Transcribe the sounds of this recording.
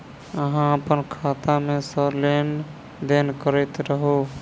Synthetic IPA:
əɦãəpənkʰat̪amesəɾlen | d̪enkəɾəjt̪ɾəɦo

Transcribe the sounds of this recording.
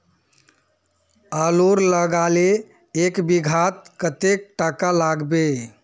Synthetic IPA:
aloɾləɡaleː | kbiɡʱat̪̚kət̪ek̚ʈakalaɡbe

